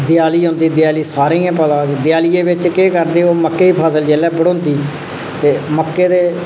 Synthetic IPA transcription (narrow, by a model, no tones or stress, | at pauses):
d̪ɪjaːliːɦõːnd̪iːd̪ɪjaːliːsaːɾiːãːpəlãːd̪ɪjaːliːeːbɪt͡ʃkeːkəɾd̪eːoːməkːeːiːpʰaːsəld͡ʒɛːlɛːbəɽõːnd̪iː | t̪eːməkːeːd̪eː